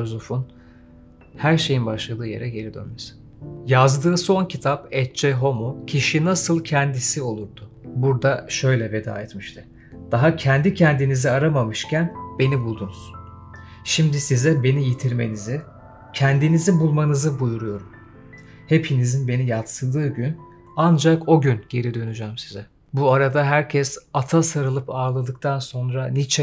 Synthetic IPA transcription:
ozufun | hæɾʃe̞jinbaʃlˠad̪ɯːje̞̰ɾɛɟe̞ɾid̪ø̰nmesi̥ | jazd̪ɯːso̞ncʰit̪ʰapɛt̪̚t͡ʃeɦo̞mucʰiʃinasɯlˠcʰɛnd̪isio̞lˠuɾd̪ʊ | buɾd̪aʃø̞jlʲɛve̞d̪a̰ːɛt̪miʃt̪ʰɯ | d̪̥aɦacʰɛnd̪icʰɛnd̪iniziaɾamamɯʃcʰænbe̞nibulˠd̪unuz̥ | ʃimd̪isizɛbe̞nijit̪ʰiɾme̞̰nizi | cʰænd̪inizibulˠmanɯzɯbujuɾujo̞ɾum | he̞pʰinizinbe̞nijat̪sɯlˠd̪ɯːɟyn | and͡ʒako̞ɟynɟe̞ɾid̪ø̞nyd͡ʒæːmsizɛ | buaɾad̪aɦæɾcʰɛsat̪ʰasaɾɯlˠɯpaːlˠad̪ɯk̚t̪ʰanso̞nɾanit͡ʃʰɛ

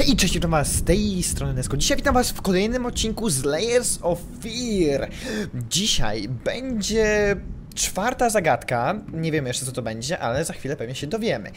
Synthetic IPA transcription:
itt͡ʂɛɕeit̪amvast̪ɛjst̪ɾɔnɘnɛt̪skɔ̃d͡ʑiɕajvʲit̪amvasfkɔlɛjnɘmɔt̪̚t͡ɕːiŋkuzlɛjɛɾsɔffʲiɾd͡ʑiɕa̰jbɛɲd͡ʑɛ | t͡ʂfaɾt̪azaɡat̪kaɲɛvʲjɛmjɛʂt͡ʂɛt̪ɔt̪ɔbɛɲd͡ʑɛʔalɛzaxfʲilɛpɛvɲɛɕɛd̪ɔvʲjɛmɘ̰

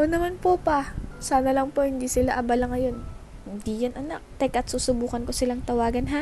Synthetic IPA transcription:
ʔonɐmanpopɐsaːnɐlɐŋpohɪnd̪iːsɪlaʔɐbɐlɐŋɐjo̞nhɪnd̪ijʊnʔɐnak̚t̪ɛkɐt̪suːsʊbuːkɐnko̞sɪlaŋt̪ɐwaːɡɐnɦa

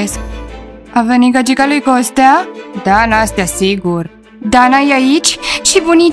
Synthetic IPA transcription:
esk | aveniɡad͡ʒikalujkost̪ad̪anast̪jasiɡuɾ | d̪anajait͡ʃʃibuni

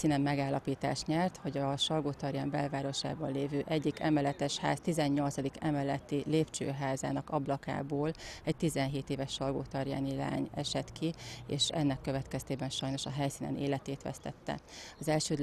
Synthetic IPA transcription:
siːnɛmːmɛɡaːlːɒpiːt̪a̰ːʃt̪ɲɛrt̪ho̞ɟɒʃɒlɡoːt̪ɒrjaːmbɛlvaːɾo̞ʃa̰ːbɒnleːvøːʔɛɟːikɛ̰mɛlɛt̪ɛʃha̰ːst̪izɛɲːo̞lt̪sɒd̪ikɛmɛlɛt̪ileːpt͡ʃø̰ːɦaːza̰ːnɒkɒblɒka̰ːboːlɛɟt̪izɛnɦeːt̪eːvɛʃːɒlɡoːt̪ɒrja̰ːnila̰ːɲɛʃɛt̪kʰiḛːʃɛnːɛkːøvɛt̪kɛst̪eːbɛnʃɒjno̞ʃɒɦɛjsiːnɛ̰neːlɛt̪eːt̪ʋɛ̰st̪ɛ̰t̪ːɛ̰ɒzɛlʃøːd̪

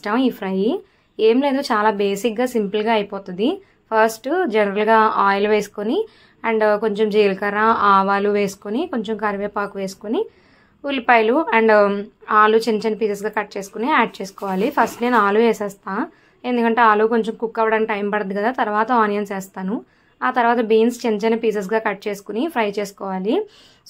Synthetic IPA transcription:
ʈaːmiːpʰɾɐj | eːmle̞ːd̪ot͡ʃaːlaːbeːsik̚ɡaːsimpɐlɡaːɐjipɔːt̪und̪i | pʰɐɾsʈd͡ʒɛnɐɾɐlɡaːaːjluʋeːsu̥koni | ɐɳɖko̞ɲt͡ʃemd͡ʒiːlkɐɾnaaːʋaːluʋeːsu̥koniko̞ɲt͡ʃemkɐɾʋeːpaːkuʋeːsu̥koni | ulipɐjluɐɳɖaːlut͡ʃeɲt͡ʃɐnpiːsɐs̬ɡaːkɐʈ̚t͡ʃeːsu̥kuniaːɖ̚t͡ʃeːsu̥kɔːʋaːlipʰɐsʈneːnuaːluʋeːsɛːst̪aː | e̞nd̪ukɐɳʈe̞ːaːluːko̞ɲt͡ʃemkukːɐʋɐɽaːnkiʈɐjmpɐɽɐd̪ikɐd̪aːt̪ɐɾuʋaːt̪ɐaːnijɐnsɛːst̪aːnu | aːt̪ɐɾuʋaːt̪̬ɐbiːnst͡ʃeɲt͡ʃɐnpiːsɐs̬ɡaːkɐʈ̚t͡ʃeːsu̥kunipʰɾɐjt͡ʃeːsu̥kɔːʋaːli

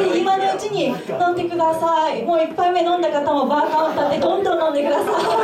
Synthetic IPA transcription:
eimano̞ɯ̟t͡ɕiɲ̟inõ̞nd̪e̞kɯ̟d̪asaimoːipːaimenõ̞nd̪akat̪amo̞baːkaɯ̟̃nt̪od̪ed̪õ̞nd̪õnːõ̞nd̪e̞kɯ̟d̪asai

